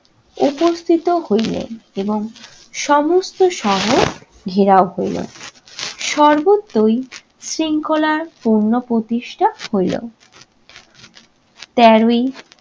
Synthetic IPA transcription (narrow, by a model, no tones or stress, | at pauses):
upost̪ʰit̪ohojlḛeboŋ | ʃɔmost̪ʰoʃɔɦo | ɡʱiɾaoɦojlo̰ | ʃɔɾbot̪ːoj | sɾiŋkʰolaɾpuɾnopɾot̪iʃʈʰahojlo̰ | t̪ɛɾoj